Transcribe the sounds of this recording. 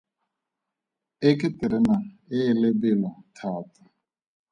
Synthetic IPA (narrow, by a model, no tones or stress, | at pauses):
ɪkɪtɪɾɪnaɪːlebɪlatʰaːta